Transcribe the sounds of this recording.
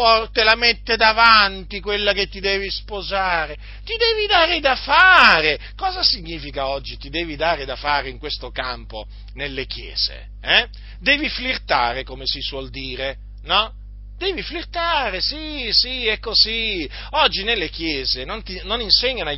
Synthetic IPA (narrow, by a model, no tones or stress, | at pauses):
ɔt̪elamet̪ːed̪avant̪ikwelːaket̪ːid̪eːvispozaːɾe | t̪id̪ɛːvid̪aːɾed̪afaːɾe | kɔːzasiɲːiːfikaɔd͡ʒːit̪id̪eːvid̪aːɾed̪afaːɾeiŋkwest̪okampo | nelːekjḛːz̥ḛ | ɛ | d̪ɛːviflirt̪a̰ːɾekomesiswɔld̪iːɾe | nɔ | d̪ɛːviflirt̪aːɾesisiɛkːozi | ɔd͡ʒːinelːekjeːzenõnt̪inoninseɲːana